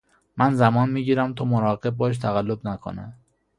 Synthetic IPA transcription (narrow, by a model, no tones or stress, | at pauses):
mænzæmɒːnmiːɟiːɾæmt̪ʰɒːmoɾɒːɣe̞b̚ːɒːʃ̬t̪ʰæɣælːobnækʰo̰næ̰m